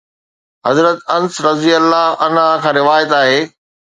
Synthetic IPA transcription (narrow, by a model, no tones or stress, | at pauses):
ɦɐzɾət̪ɐnsɾɐzijəlːaɐnakʰãːɾɪʋaːjət̪aːɦeː